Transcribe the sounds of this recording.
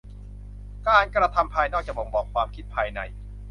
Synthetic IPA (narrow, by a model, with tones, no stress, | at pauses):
kaː˧nkɾa˧t̪ʰa˧mpʰaː˧jnɔː˥˩k̚t͡ɕa˨˩bɔ˩˦ŋbɔː˨˩kʰːwaː˧mkʰi˦˥t̪̚pʰaː˧jna˧j